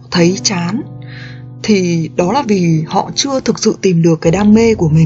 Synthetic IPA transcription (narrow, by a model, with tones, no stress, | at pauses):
t̪ʰə˨˦jt͡ɕaː˨˦n | t̪ʰi˨˩ɗɔ˨˦laː˨˩vi˨˩hɔ̰˧˨t͡ɕɨ˧ət̪ʰɨ˨˩k̚sɨ̰˧˨t̪i˨˩mɗɨ˨˩əkːjɗaː˧mːe˧ku˧˩əmï˨˩